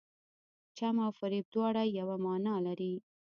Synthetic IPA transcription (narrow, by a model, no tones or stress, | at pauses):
t͡ʃamawfaɾib̚d̪wɑɽajawamɑnɑlaɾi